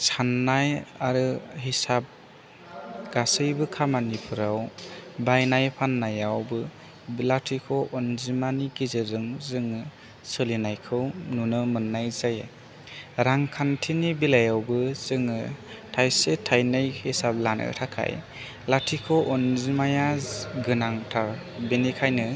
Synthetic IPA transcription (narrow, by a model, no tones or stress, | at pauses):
sanːajaɾɯɦisap̚ | ɡ̥asɯjbɯkʰamanipʰɯɾawbajnajpʰanːajawbɯ | latʰikʰɔʔɔnzimanikizɯzɯŋzɯŋɯ | sɯlinajkʰɯwnunɯmɯnːajzaj | ɾaŋkʰantʰinibilajawbɯz̥ɯŋɯtʰajsetʰajnajhisap̚lanɯ̰tʰakʰa̰j | latʰikʰɔʔɔnzimajaɡɯnaŋtʰa | benikʰajnɯ